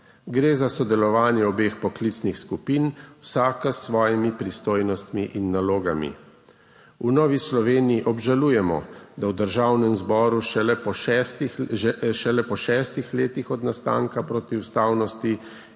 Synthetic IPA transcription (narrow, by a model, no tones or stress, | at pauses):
ɡɾeːzasɔd̪ɛlɔʋaːnjɛɔbeːxpɔklit̪snixskupiːnwsaːkasʋɔːjimipɾist̪oːjnɔst̪miʔinːaloːɡamḭ | unɔːʋislɔʋeːnijiʔɔbʒaluːjɛmɔ̰d̪awd̪əɾʒawnɛmzbɔːɾuʃɛɛpɔʃɛt̪ | ʃɛlɛpɔʃɛːst̪ixleːt̪ixɔd̪nast̪a̰ːŋkapɾoːt̪iwst̪aːwnɔst̪i